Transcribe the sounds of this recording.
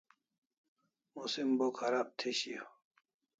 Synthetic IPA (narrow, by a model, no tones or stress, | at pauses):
musimbokhɐɾaːb̚t̪ʰeɕijo